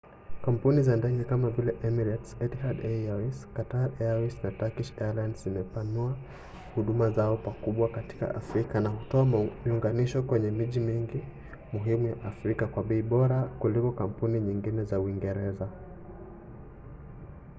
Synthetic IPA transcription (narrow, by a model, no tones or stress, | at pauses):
kam̩punizandaɲikamavilɛʔɛmiɾatsɛthadɛaiskataɾɛaisnatakiʃɛalajndzzimɛpanua | huɗumazaɔpakuɓwakati̥ka̰ʔa̰fɾikanahutɔamiuŋɡaniʃɔkwɛɲɛmiʄimiŋɡi | muɦimujaʔafɾikakwaɓɛiɓɔɾakulikɔkam̩puniɲiŋɡinɛzauiŋɡɛɾɛza